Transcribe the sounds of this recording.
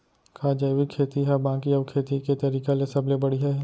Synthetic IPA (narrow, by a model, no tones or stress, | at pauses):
kʰaːd͡ʒɐjwikʰeːt̪iɦɛbãːkiɐːʋkʰeːt̪iket̪ɐɾiːkalesɐblebɐɽiɦɛ